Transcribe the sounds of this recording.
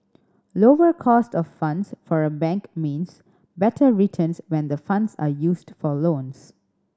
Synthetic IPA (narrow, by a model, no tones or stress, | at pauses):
loːwəkʰɔstɔffʌ̃ndsfɔɹəbɛ̃ŋkmĩːns | bɛtʰəɹitʰə̃nswɛ̃nd̪əfʌ̃ndsa̰juːsdfɔlõːns